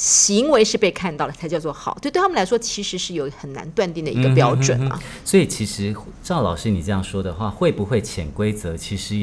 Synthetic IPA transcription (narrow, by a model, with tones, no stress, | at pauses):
ɕi˧˥ŋwe˧˥ɪʂɻ̩˥˧pe˥˧ɪkʰa˥˧nt̪ɑ˥˩ʊlə˩a˧˥ɪt͡ɕjɑ˥˧ʊt͡swɔ˥˩xɑ˨˩˦t̪t̪ʰm˨˩la˧˥ɪʂwɔ˥t͡ɕʰi˧˥ʂɻ̩˧˥ʂɻ̩˥˩jo˨˩ʊxə˨˩nna̰˧˥nt̪wa˥˧nt̪i˥˩ŋd̪ə˩i˧i˥ɡə˧pjɑ˥ʊʈ͡ʂwə̰˨˩nmɐ̰˦ | swɔ˧˥i˨˩t͡ɕʰi˧˥ʂɻ̩˧˥ʈ͡ʂɑ˥˩ʊlɑ̰˨˩ʊʂɻ̩˥˧ni˨˩ʈ͡ʂɤ˥˧jɑ˥˩ŋʂwɔ˥d̪ə˨xwa˥˧xwe˥˩ɪpu˧˥xwe˥˩ɪt͡ɕʰjɛ˨˩nkwe˥ɪt͡sɤ˧˦t͡ɕʰi˧˥ʂɻ̩˧˥